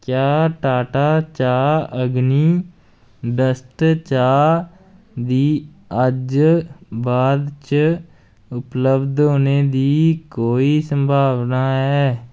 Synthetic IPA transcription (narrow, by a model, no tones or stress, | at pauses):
kjaːʈaːʈaːt͡ʃaːəɡniː | ɖəsʈt͡ʃaː | d̪iː | əd͡ʒ | baːd̪t͡ʃ | ʊpləbd̪ɦoːneːd̪iːkoːiːsəmbʱaːʋnaːɦɛː